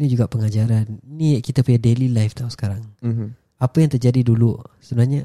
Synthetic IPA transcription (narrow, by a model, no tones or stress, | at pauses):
nid͡ʒuɡaʔpəŋad͡ʒaɾanniaʔkit̪apujadelilajft̪ausə̥kaɾaŋ | apajaŋt̪ərd͡ʒadidulusəbənarɲa